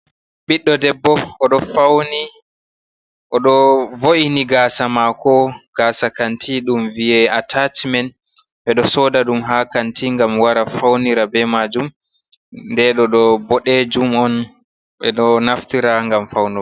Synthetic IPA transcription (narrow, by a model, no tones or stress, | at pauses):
ɓiɗːɔdɛbːɔɔɗɔfawni | ʔɔɗɔvoʔiniɡaːsamakɔɡ̥aːsakantʰiɗumviɛatʰatmɛn | ɓɛɗɔsɔːdaɗumɦakantiŋɡamwaɾafawniɾabɛmad͡ʒum | ndɛɗɔɗɔbɔɗɛd͡ʒumɔn | ɓɛ̰ɗɔnaftiɾaŋɡamfawnɔ